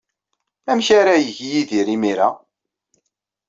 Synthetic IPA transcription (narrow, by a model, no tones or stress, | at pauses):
æmçaɾajəʝjiðiɾimiɾa